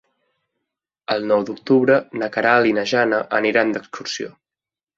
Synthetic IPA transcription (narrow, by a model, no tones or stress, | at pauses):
əlˠnɔwd̪uk̚t̪uβɾənəkəɾaːlinəʒanəʔəniɾand̪əkskursio̰